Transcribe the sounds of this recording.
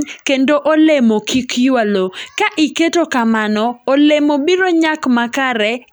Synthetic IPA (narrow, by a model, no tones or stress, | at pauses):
kendoʔolemokʰikjwalokaʔiketokamanɔːlemobiɾoɲakmakaɾɛ